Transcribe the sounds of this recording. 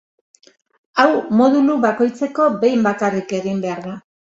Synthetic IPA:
awmo̞ðuluβako̞jt͡se̞ko̞be̞jmbakarike̞ɣimbe̞aɾða

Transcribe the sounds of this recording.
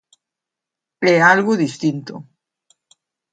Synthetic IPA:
ealɣuðist̪int̪o

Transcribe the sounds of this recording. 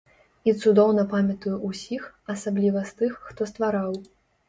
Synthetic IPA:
it̪sud̪ɔwnɐpamʲɐt̪ujuʔusʲixɐsablʲivɐst̪ɨxːt̪ɔst̪vaɾaw

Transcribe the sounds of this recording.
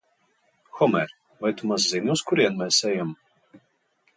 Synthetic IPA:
xɔmɛɾ | vajt̪umas̬zinʲuskuɾiɛnmɛsɛjam

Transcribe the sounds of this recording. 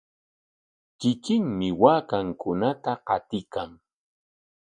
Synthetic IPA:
t͡ʃɪkɪŋmɪwaːkaŋkʊnat̪aqɑt̪ɪkaŋ

